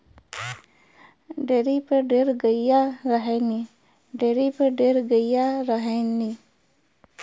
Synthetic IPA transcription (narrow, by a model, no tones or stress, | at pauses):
ɖeɾipəɖeɾɡəjaɾəɦeni | ɖeɾipəɖeɾɡəijaɾəɦeni